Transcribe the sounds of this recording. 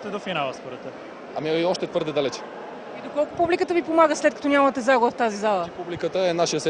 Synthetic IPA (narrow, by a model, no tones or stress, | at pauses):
t̪ɛd̪ofinalˠəspoɾət̪ə | amiiɔʃt̪ɛt̪vɤɾd̪ɛd̪alɛt͡ʃɛ̥ | id̪okɔlˠkʊpublikət̪əvipomaɡəslɛt̪̚kɐ̥t̪onʲamɐt̪ɛzaɡobəft̪azizalˠəpublikət̪əɛnaʃijəs